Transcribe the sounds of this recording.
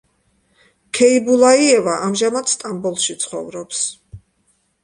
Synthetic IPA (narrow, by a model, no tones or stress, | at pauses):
kʰɛibulˠaiɛvaʔamʒamad̪st̪ʼambɔlˠʃit̪sʰχɔ̰vɾɔps